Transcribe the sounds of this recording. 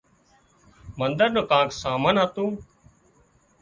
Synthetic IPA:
mənd̪əɾnoːkãːksaːmənɦat̪ũː

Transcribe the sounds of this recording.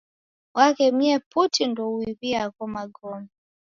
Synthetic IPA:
wakɛmiɛputindɔuiβiakɔmaɡɔmɛ

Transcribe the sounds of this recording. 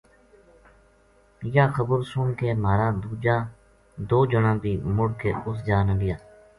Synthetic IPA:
jaːxəbəɾsʊnkeːmaːɾãːd̪uːd͡ʒãː | d̪oːd͡ʒəɳãːbʱiːmʊɽkḛːʊs̬d͡ʒaːnəlɪjaː

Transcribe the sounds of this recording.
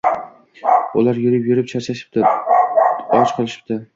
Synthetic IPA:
ʊlaɾjʊɾɪpjʊɾɪpt͡ʃʰaɾt͡ʃʰaʃɪ̥p̚t̪ɪ | ɒt͡ʃqʰɨlˠɪʃɪ̥p̚t̪ɪ

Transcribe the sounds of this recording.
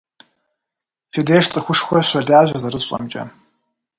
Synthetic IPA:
fedeːʂt͡sʼɨxʷʊʂxʷɔʃʷadaːʒʷazaɾɨɕʷʼɐ̰mt͡ʃʼɐ̰

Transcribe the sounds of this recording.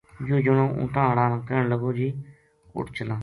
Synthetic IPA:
joːd͡ʒənõːʔʊ̰̃ːʈãːɽãːnãːkɛːɳləɡoːd͡ʒiː | ʊ̰ʈt͡ʃəlãː

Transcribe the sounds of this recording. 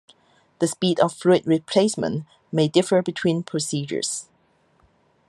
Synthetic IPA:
ðəspiːdɔv̥fɹuɪt̚ɹipʰl̥esmə̰̃n | meɪdɪfə˞bɪtʰw̥ĩnpʰɹ̥əsiːd͡ʒə̰˞z̥

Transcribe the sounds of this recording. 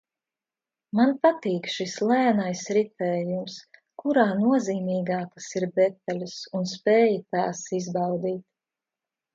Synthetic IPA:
manpat̪iːkʃislˠæːnajsɾit̪ɛːjums | kuɾaːnuɔziːmʲiːɡaːkasiɾb̪ɛt̪ːalʲusunspɛːjit̪aːsizbɑwd̪iːt̪̚

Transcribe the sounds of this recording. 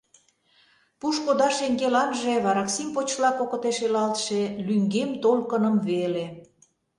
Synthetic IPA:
puʃkod̪ɑʃeŋɡelɑnʒeβɑɾɑksimpot͡ɕlɑkokə̆t̪eʃelɑlt̪ʃelyŋɡemt̪olkə̆nə̆mβele

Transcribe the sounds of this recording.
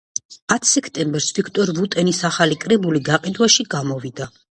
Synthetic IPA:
at̪ʰsɛkʰt̪ʼɛmbɛɾsvikʰt̪ʼɔɾlut̪ʼɛnisaχalikʼɾɛbuliɡaqʼid̪waʃiɡamɔvid̪a

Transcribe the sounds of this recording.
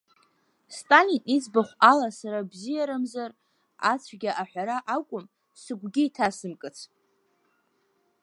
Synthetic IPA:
stʼalinit͡sʰʼbaχʷalasaɾabzijaɾamzar | a̰t͡sʷʰɡʲaʔaħʷᶣaɾaʔakʷʼʊm | sɨɡʷɡʲɪitʰasɨmkʼɨt͡sʷʰ

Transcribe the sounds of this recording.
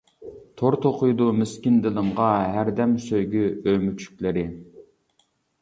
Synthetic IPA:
t̪ʰoɾt̪ʰoqʰujd̪umɪskʲind̪ɪlˠɨmʁɑɦæɾd̪ɛmsøjɡʲyømyt͡ʃʰy̥kʲlɪɾɪ

